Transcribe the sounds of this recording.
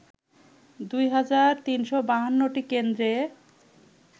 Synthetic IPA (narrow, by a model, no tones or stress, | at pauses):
d̪ujɦad͡ʑaɾt̪inʃɔbaɦanːoʈikend̪ɾe